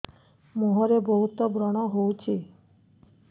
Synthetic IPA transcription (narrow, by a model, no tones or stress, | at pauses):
moɦɔɾebɔɦut̪ɔbɾɔɽ̃ɔɦowt͡ʃʰi